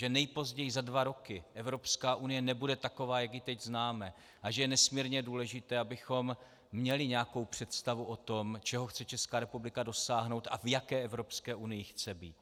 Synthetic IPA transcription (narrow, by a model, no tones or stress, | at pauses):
ʒɛnɛjpo̞zɟɛjɪzadvaɾo̞kɪʔɛvɾo̞pskaːʔunɪjɛnɛbudɛt̪ako̞vaːjaɡjɪt̪ɛɟznaːmɛ | ʔaʒɛjɛnɛsmiːɾɲɛduːlɛʒɪt̪ɛːabɪxo̞mː | ɲɛlɪɲɛako̞wpr̥ɛt̪st̪avuʔot̪o̞mt͡ʃɛɦoxt͡sɛt͡ʃɛskaːɾɛpublɪkado̞saːɦno̞wt̪ʔa̰vjakɛːʔɛvɾo̞pskɛːʔunɪjɪxt͡sɛbiːt̪̚